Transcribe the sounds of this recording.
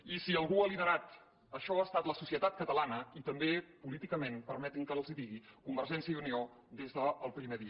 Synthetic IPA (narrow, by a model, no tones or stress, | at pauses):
isiəlˠɣuəlinəɾat̪ | əʃɔast̪at̪ləsusiət̪at̪̚kət̪əlanəit̪əmbepulit̪ikəmenpəɾmɛt̪iŋkəlˠziðiɣikumbəɾʒɛnsjəiunio | d̪ezðəːlˠpɾimeðiə